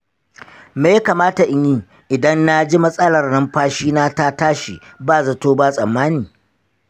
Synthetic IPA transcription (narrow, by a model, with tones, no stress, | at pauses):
meː˨ja˦kaː˨maː˦ta˨ʔɪ˦ɲi˦ | ʔɪ˨dɐ˦nna˦d͡ʒi˦mɐ˦sʼɐ˦lɐ˨rnɐ˦mɸaː˦ʃiː˦naː˦ta˦taː˦ʃḭ˨baː˦˨zɐ˦toː˦ba˦sʼɐ˨mːaː˦niː˨